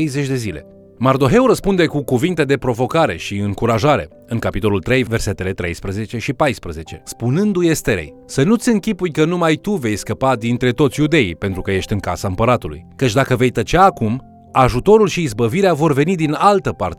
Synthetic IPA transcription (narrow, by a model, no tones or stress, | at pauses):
ejze̞t͡ʃʲd̪e̞zile̞̰ | mard̪o̞ɦe̞wɾəspund̪e̞kukuvint̪e̞d̪e̞pɾo̞vo̞kaɾe̞̰ʃiɨŋkuɾaʒaɾe̞̰ | ɨŋkapit̪o̞lult̪ɾe̞jve̞rse̞t̪e̞le̞t̪ɾe̞̰jspɾəze̞t͡ʃe̞ʃipajspɾəze̞t͡ʃe̞spunɨnd̪ujest̪eɾḛj | sənut̪sʲɨŋkʲipujkənumajt̪uve̞jskəpad̪int̪ɾe̞t̪o̞t̪sʲjud̪e̞ipe̞nt̪ɾukəje̞ʃt̪ʲɨŋkasaɨmpəɾat̪ulṵjkət͡ʃʲd̪akəve̞jt̪ət͡ʃeaːkum | aʒut̪o̞ɾulʃiːzbəviɾeavo̞rve̞nid̪inalt̪əpa̰rt̪e